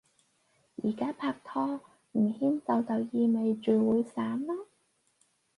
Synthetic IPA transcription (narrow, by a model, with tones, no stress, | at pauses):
jḭː˨˩kaː˥pʰaː˧k̚t̪ʰɔː˥ | m̩˨˩hiː˥nt͡sɐ˨˧wt͡sɐ˨wjiː˧me˨jt͡ʃyː˨˩wuː˨˧jsaː˨˥mlaː˥